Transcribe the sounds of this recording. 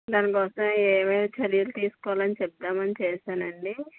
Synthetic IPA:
d̪aːnɐkɔːsɐ̃meːmɐːlɐt͡ʃɐɾijɐlut̪iːsu̥kɔʋalɐnit͡ʃɛp̚t̪aːmɐnit͡ʃeːʃaːnɐɳɖi

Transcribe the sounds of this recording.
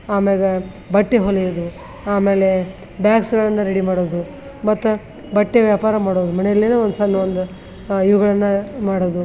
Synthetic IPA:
aːmeːle | bɐʈːeɦolːijod̪u | aːme̞ːle | bjaːksɡɐɭɐnːɐɾeɽimaːɽoːd̪u | mɐt̪ːu | bɐʈːeʋjaːpaːɾɐmaːɽoːd̪umɐnejɐlːeneond̪usanːuond̪u | iʋuɡɐɭɐnːɐmaːɽoːd̪u

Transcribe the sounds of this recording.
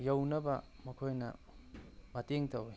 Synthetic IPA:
jɐwnɐbɐ | mɐkʰojnɐ̰ | mɐteŋtɐw

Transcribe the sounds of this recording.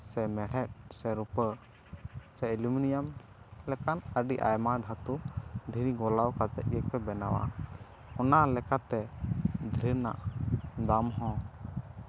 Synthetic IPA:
sɛmɛɽɛt̚sɛɾupə | sɛiluminijamlɛkanəɖiʔa̰jmad̪ʱat̪ud̪ʱiɾiɡɔlawkat̪ɛʔ̪̚jək̚pɛbɛnawa̰ | ɔnalɛkat̪ɛd̪ʱɾina̰ʔd̪amɦɔ̃

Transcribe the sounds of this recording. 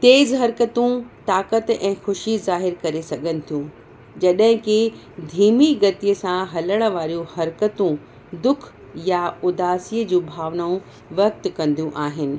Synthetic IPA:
t̪eːzɦɐɾkət̪ũt̪aːkət̪ɛ̃ːxʊʃizaːɦɪɾkɐɾesɐɡʱənɪ̆t̪ʰijũː | d͡ʑɐɗɦɪ̃kɪ | d̪ʱiːmiɡɐt̪ijəsãɦɐləɽ̃ə̆ʋaːɾijũhɐɾkət̪ũ | d̪ʊkʰ | jaʊd̪aːsiːəd͡ʑũːbʱaːʋnaũ | ʋɐk̚t̪kɐ̃nd̪ijũʔaːɦɪnɪ̆

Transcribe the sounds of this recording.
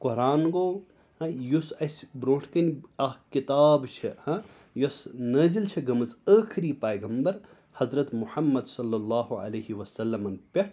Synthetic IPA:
koɾaːnɡoː | hɐ̃jusɐsbɾoːʈʰkɐnɐkit̪aːbt͡ʃʰihɐ̃ | josnɐzlt͡ʃʰɐɡɐmɐt͡səːkʰɾiːpɐːjɡɐmbɐɾ | hɐzɾɐt̪muħɐmːɐd̪sɐlːɐlːɑːɦuɐ̰lɐːɦiʋɐsɐlːɐmɐnpʲɐʈʰ

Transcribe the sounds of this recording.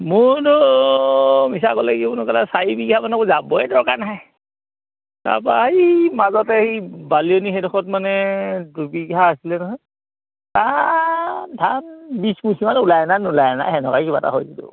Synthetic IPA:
mʊdɔ | mis̬aɡɔlaɡibʊnɔkalasaibiɡɦamanɛkɔzabɔɛdɔkanaɦaj | ta̰paimazɔtɛhibalionixɛdɔxɔtmanɛdubiɡɦaːsilɛnɔɦɔj | ta | ndʰʱanbismusʰimanulajɛnanulajɛna̰ɦɛnɔkajkiba̰ta̰ɦojɡidʊ̰

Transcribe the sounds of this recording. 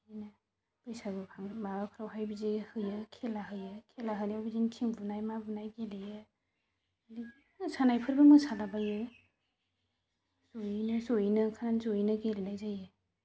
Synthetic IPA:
na | b̥ɯjsaɡɯkʰaŋbaɡakʰɯɾawɦajbizihɯjɯkʰelaɦɯjɯkʰelaɦɯnjawbizintʰiŋbunajmabunajɡelejɯ | di | sanajpʰɯɾbɯmɯsadabajɯ | zojinɯzojinɯkʰananzoinɯɡelinajzajɯ

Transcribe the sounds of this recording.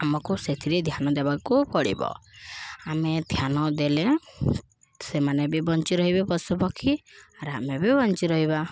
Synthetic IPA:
amɔkuset̪ʰiɾed̪ʱjanɔd̪ebakupɔɽḭbɔ̰ | amed̪ʱjanɔd̪ele | semanebibɔnt͡ʃiɾɔɦibipɔsupɔkʰiaɾamebibɔnt͡ʃiɾɔɦiβa

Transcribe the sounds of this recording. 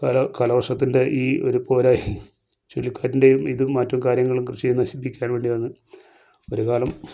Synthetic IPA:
kɐlɐkɐlɐʋɐrʂɐt̪ːindeʔiːo̞̰ɾupo̞ːɾaːji | t͡ɕolːikʲːaːɾinde̞jumiðɨmːatːɐmkaːɾjɐŋːɐɭumkrɨɕijunːɐɕipːikʲːaːnʋe̞ːɳɖiʋɐnːɨ | o̞ɾukaːlɐm

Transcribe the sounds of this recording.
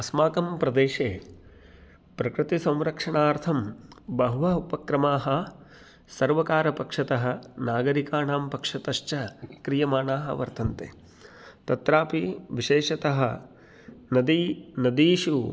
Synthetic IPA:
ɐsmaːkɐmpɾɐd̪eːʃeː | pɾɐkɾɪt̪isɐ̃wɾɐkʂɐɳaːɾt̪ʰɐmbɐɦuʋɐupɐkɾɐmaːɦɐ̆ | sɐɾʋɐkaːɾɐpɐkʂɐt̪ɐɦɐ̆naːɡɐɾikaːnaːmpɐkʂɐt̪ɐʃt͡ʃɐkɾijɐmaːɳaːɦɐ̰ʋɐ̰ɾt̪ʰɐnt̪ḛː | t̪ɐt̪ɾaːpiʋiʃeːʂɐt̪ɐɦɐ | nɐd̪inɐd̪iːʃu

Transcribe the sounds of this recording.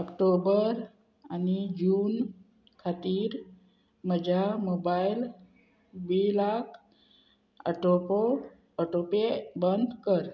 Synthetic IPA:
əkʈobəɾ | anid͡ʒuːn | kʰat̪iːɾ | məd͡ʒamobail | bilakʰ | ə̰ʈopo | əʈopebənd̪kəɾ

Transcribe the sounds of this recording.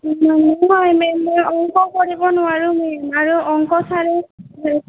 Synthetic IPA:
nɔɦɔjmɛmɔjɔŋkɔkoɹibɔnʊwaɹumɛmaɹuʔɔŋkɔsʰaɹɛ

